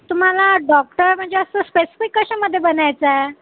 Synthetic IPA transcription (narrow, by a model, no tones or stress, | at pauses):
t̪um̤alaɖɔk̚ʈəɾm̤əɳd͡zeəst̪əspesi̥fikːəɕaməd̪ʱːjebənajt͡sae